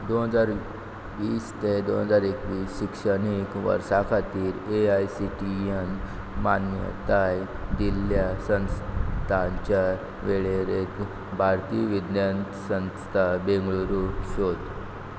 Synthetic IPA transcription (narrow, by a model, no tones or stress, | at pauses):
d̪onɦəd͡zaɾ | ʋiːst̪ed̪onɦəd͡zaɾekʋiːsɕikʂənikʋə̰ɾsakʰat̪iːɾeajsiʈijən | manjə̰t̪aj | d̪iljasə̃nst̪ʰaɲt͡ɕa | ʋeɭeɾet̪ | bʱaɾt̪iːʋid̪jant̪sə̃nst̪ʰabẽŋɡɭuɾuɕod̪